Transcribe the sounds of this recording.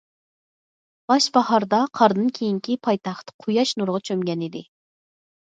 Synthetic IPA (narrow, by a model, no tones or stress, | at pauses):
b̥ɑʃbɑhɑɾd̪ɑqʰɑɾd̪ɨnkʲʰejiŋkʲipʰɑjt̪ɑχt̪qʰujɑʃnuɾʁɑt͡ʃʰømɡʲɛnid̪ɪ